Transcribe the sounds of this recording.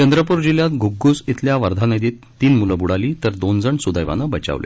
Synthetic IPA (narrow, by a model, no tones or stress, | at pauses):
t͡ɕənd̪ɾəpuɾd͡ʑiljat̪ɡʱuɡːusit̪ʰljaʋəɾd̪ʱanəd̪iːt̪ːiːnmuləbuɽaliːt̪əɾd̪ond͡zəɳsud̪əjʋa̰nəbət͡ɕa̰ʋlʔḛ